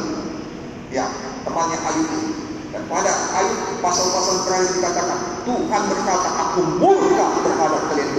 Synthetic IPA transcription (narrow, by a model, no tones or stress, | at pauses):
ja | t̪əmaɲaʔajuʔi | danmadaajupasalpasalkɾajisdikat̪akant̪ukanbərkat̪aʔakumbulkabərkalat̪̚k̪əlian